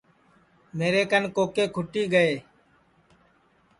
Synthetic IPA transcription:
meːɾeːkənkoːkeːkʰʊʈiːɡəeː

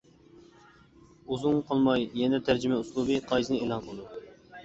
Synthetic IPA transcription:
uzuŋqʰɑlˠmɑjjɛnɛt̪ʰæɾd͡ʒɪmɛuslˠubɨqʰɑjzɨnɨelˠɑnqʰəlˠɨd̪u

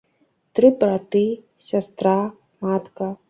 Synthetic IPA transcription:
t̪ɾɨbɾat̪i | ɕʲɐst̪ɾa | maːt̪ka

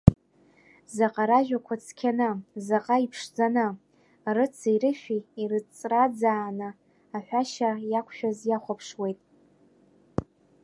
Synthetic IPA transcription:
zaqʼaɾaʒᶣakʷʰat͡sʰkʲʰanɨzaqʼaipʰʂd͡zanɨ | rɨt͡sʰiiɾɨʃᶣiirɨt͡sʼrad͡zaːnɨ | aħʷᶣaʃajakʷʰʃᶣazjaχʷapʰʂwe̞jtʼ

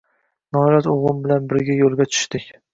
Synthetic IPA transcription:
nɒɾazoʁʊmbɪlanbɪɾɡʲajolˠɡʲat͡ʃʰʊ̥ʃt̪ɪkʲ

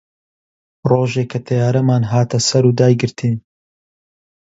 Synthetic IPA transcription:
roːʒeːkʰɐt̪ʰɐjaːɾɐmaːnɦaːt̪ɐsɐɾuːd̪aːjɡɨɾt̪ʰiːn

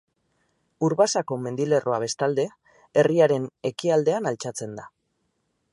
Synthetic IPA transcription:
uɾβasako̞me̞nd̪ile̞rʔo̞aβ̞e̞st̪ald̪e̞ | e̞riaɾe̞ne̞kiald̪e̞analt͡ʃat͡se̞nd̪a

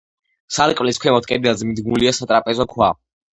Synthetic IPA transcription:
saɾkʼvliskʰwɛmɔt̪̚ʰkʼɛd̪ad̪zmid̪ɡnuliasat̪ʼɾapʼɛzɔkʰwa

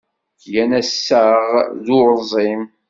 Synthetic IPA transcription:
jænæsːəʁðʊɾzˤim

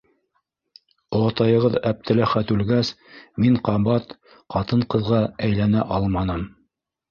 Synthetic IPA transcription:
ŏɑt̪ɑjɤ̆ʁɤðæp̚t̪ʰɘ̆læχæt̪ʉlɡæs | miɴqɑβɑt̪ | qɑt̪ɤɴqɤ̆ðʁɑæjlænæʔɑlˠmɑnɤm

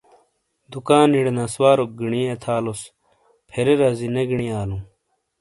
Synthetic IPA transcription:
d̪ukaːniɽnaswaːɾok̚ɡiɳiet̪ʰaːlos | pʰeɾeɾazineɡiɳiaːlũ

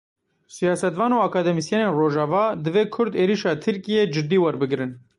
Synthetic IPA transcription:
sijɑːsɛt̪vɑːnoːɑːkɑːd̪ɛmisjɛneːnroːʒɑːvɑːd̪ɨveːkʰʊɾd̪eːɾiʃɑːt̪ʰɨɾkijeːd͡ʒɨd̪ːiːwɐɾbɨɡɾɨn

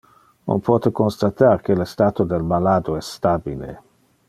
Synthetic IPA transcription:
o̰npʰwɔːt̪ekonst̪at̪arkelest̪aːt̪od̪elmalaːd̪oɛsːt̪abilḛ

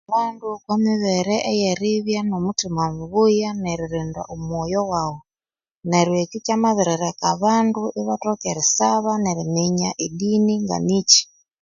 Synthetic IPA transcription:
βandukwamiβɛɾɛʔːjɛɾiβjanomutimamuβujanɛɾiɾinda̰ʔumwɔjɔwaɣɔ | nɛɾwekukjamaβiɾɛɾakaβanduʔiβatɔkɛɾisaβaneɾimiɲaʔiɗiniŋɡa̰nit͡ʃi̥

